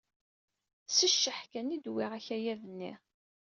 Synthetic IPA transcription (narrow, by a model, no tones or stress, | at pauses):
səʃːəħkænid̪wiʁæçæjæðənːḭ